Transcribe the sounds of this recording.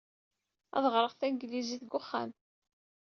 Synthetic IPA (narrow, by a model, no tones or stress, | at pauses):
ɑ̰ðˤʁɾˤəʁθænɡliziθɡʊχːa̰m